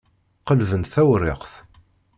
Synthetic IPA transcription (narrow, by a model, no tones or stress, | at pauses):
qəlvənt̪θæwrɪqθ